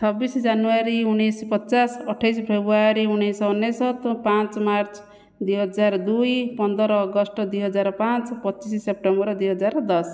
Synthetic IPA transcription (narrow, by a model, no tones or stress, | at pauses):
t͡ʃʰɔbisd͡ʒanuaɾiunːejspɔt͡ʃasɔʈʰajspʰebɾuaɾiunesɔɔnːesɔt̪pãt͡ʃmaɾt͡ʃ | d̪ujɦɔd͡ʒaɾd̪ujpɔnd̪ɔɾɔːɡɔsʈɔd̪ujɦɔd͡ʒaɾpãt͡ʃpɔt͡ʃissep̚ʈembɔɾɔd̪ujɦɔd͡ʒaɾd̪ɔs